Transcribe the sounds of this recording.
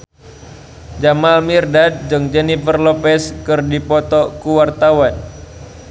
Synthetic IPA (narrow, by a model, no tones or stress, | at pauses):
d͡ʒamalmirdat̪̚d͡ʒəŋd͡ʒɛnifərlopɛskɨrdipɔt̪ɔkuwart̪awan